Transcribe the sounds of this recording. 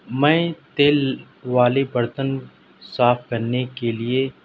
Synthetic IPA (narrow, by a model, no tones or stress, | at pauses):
mɛ̃ːt̪eːl | ʋaːlebɐɾt̪ən | saːfkɐɾnekelie